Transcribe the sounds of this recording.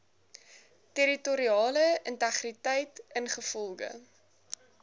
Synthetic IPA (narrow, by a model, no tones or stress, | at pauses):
teɾitɔɾiɑːləəntæχritɛjtənχəfɔlˠɡə̰